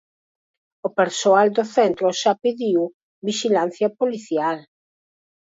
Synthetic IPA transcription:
opeɾsoald̪oθɛnt̪ɾoʃapiðiw | biʃilan̟θjɐpoliθjal

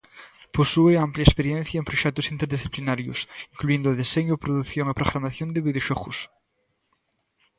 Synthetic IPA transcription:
posueampljaespeɾjẽnθjaempɾoʃɛk̚t̪osint̪eɾðisθiplinaɾjo̰siŋkluend̪oðiseɲopɾoðuθjoŋepɾoɣɾamaθjond̪eβiðeoʃokṵs

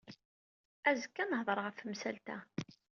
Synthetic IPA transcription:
æzəkːænəɦðˤəɾˤʁəfmsælt̪æ̰

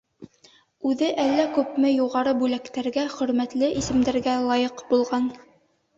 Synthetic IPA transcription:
ʉðɘʔælːækʉpmɘjuʁɑɾɤbʉlækt̪æɾɡæχɵ̆ɾmæt̪lɘʔisɘ̆md̪æɾɡælˠɑjɤqbulˠʁɑn

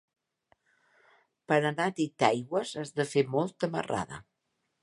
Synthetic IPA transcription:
pəɾənat̪it̪ajɣwəzəzðəfemɔlˠt̪əmə̰ra̰ðə̰

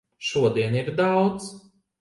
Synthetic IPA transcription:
ʃuɔd̪iɛniɾd̪awt̪s

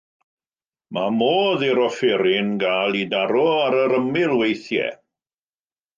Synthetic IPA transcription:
mʔamoːðiɾɔfɪɾɪnɡaːlˠidaɾɔaɾəɾəmɪlˠwejθjɛ̰

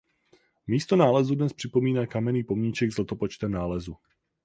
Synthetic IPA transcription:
miːst̪onaːlɛzudnɛspr̥ɪpo̞miːnaːkamɛniːpomɲiːt͡ʃɛɡzlɛt̪opot͡ʃt̪ɛmnaːlɛzu

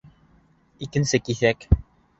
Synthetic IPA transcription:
ikɘ̆nsɘkiθæk

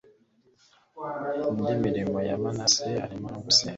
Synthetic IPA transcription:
undimiɾimoja̰manasea̰ɾimaɡuse

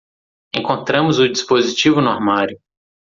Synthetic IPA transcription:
ẽkõnt̪ɾɐ̃mʊzʊd͡ʒispozit͡ʃivʊnaɾmaɾjʊ

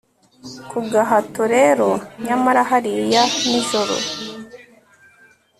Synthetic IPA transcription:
kʰuɡaɦatoɾeɾoɲamaɾaɦaɾijanizoɾo̰

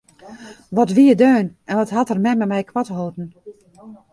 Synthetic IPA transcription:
ʋɔtʋiədøːnɛnʋɔthatərmɛmɛmɛjkʰwɔthoːtn̩

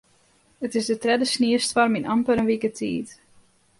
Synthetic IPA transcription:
ətɪsdətrɛdəsniəstfɔrminʔampəɾənʋikətʰḭːt

